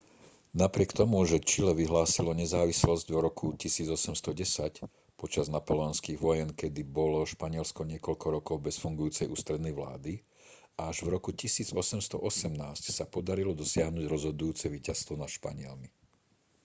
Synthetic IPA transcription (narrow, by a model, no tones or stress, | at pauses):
napɾɪɛkt̪ɔmuʒɛt͡ʃilɛʋiɦlaːsilɔɲɛzaːʋislɔzɟvɾɔkʰucisiːd͡zɔsɛmst̪ɔɟɛsac | pɔt͡ʃaznapɔlɛɔnskiːɣʋɔjɛnkɛd̪ibɔlɔʃpaɲɪɛlskɔɲɪɛkɔʎkɔɾɔkɔʊbɛsfuŋɡujuːt͡sɛjʔuːst̪ɾɛd̪nɛjʋla̰ːd̪i | aʒʋɾɔkucisiːd͡zɔsɛmst̪ɔ̰ʔɔsɛmnaːscsapɔd̪aɾilɔd̪ɔsɪaɦnuɟɾɔzɦɔd̪ujuːt͡sɛʋiːcast̪ʋɔnaʃpa̰ɲɪɛ̰lmi